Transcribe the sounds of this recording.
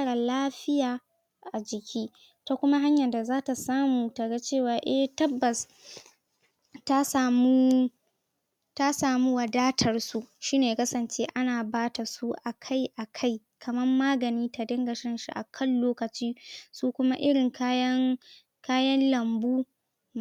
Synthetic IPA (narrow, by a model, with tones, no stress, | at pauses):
aː˦ɽa˨laː˦ɸɪ˦jaː˨ | ʔa˨d͡ʒɪ˨kʲʰiː˦ | ta˦kʷʊ˦ma˦ɦa˦ɲjɐ˨nda˨zaː˦ta˨saː˦muː˨ta˨ɡa˦t͡ʃeː˦˨waː˨ʔɛ˦htɐ˦bːɐ˨s | ta˦saː˨mu˦ | ta˦saː˨mu˦wɐ˨daː˦tʰɐ˨rsu˦ʃiː˦neː˨kɐ˦sɐ˨nt͡ʃeː˦ʔa˦naː˨baː˦ta˨su˦ʔa˨kʰa˦jʔa˨kʰa˦j | kʰɐ˨mɐ˦rmaː˦ɡɐ˨niː˦ta˨dɐ˦ŋɡɐ˨ʃɐ˦nʃḭ˦ʔa̰˨kʰɐ˦˨nloː˦kɐ˨t͡ʃiː˦suː˦kʷʊ˦ma˦ʔɪ˦ɽɪ˨ŋka˦jɐ˦ŋ | kaː˦jɐ˦nlɐ˨mbuː˦